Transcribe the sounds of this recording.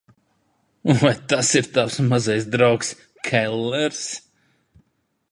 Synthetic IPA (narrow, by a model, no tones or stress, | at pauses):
uvajt̪asiɾt̪awsmazajs̬d̪ɾawks | kʰɛlˠːɛɾs